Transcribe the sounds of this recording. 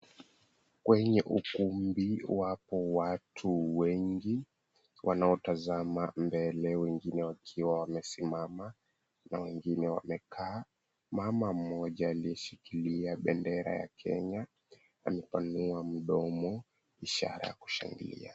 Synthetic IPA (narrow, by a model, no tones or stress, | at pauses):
kwɛɲɛʔukumbiwapɔwatʰuwɛŋɡi | wʔanaɔtazamambɛlɛwɛŋɡinɛwakʰiwawamɛsimama | nawɛŋɡinɛwa̰mɛkʰaː | mamam̩ɔʄaːliɛʃikiliaɓɛndɛɾa̰ja̰kʰɛ̰ɲa | amɛpanuam̩ɗɔmɔ | iʃa̰ɾa̰jaku̥ʃa̰ŋɡilḭa